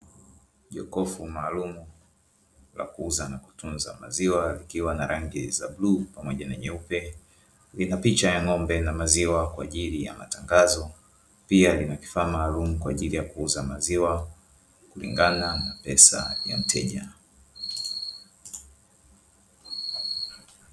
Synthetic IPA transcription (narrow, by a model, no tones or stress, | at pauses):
ʄɔkɔfumaːlumu | la̰kuuzanaku̥tunza̰ma̰ziwalikiwanaɾʔaŋɡizablupamɔʄanaɲɛupɛ | linapit͡ʃajaŋɔmbɛnamaziwakwaːʄilija̰ma̰taŋɡazɔ | pialinaki̥faːmaːlumukwa̰ːʄilijakuuzamaziwa | kulḭŋɡananapɛsa̰ja̰m̩tʰɛʄa